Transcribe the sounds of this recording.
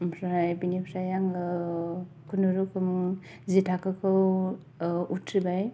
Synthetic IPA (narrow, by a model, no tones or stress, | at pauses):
mpʰɾajbinipʰɾajaŋɯ | kʰunuɾukʰɯm | zitʰakɯkʰɯw | utʰɾibaj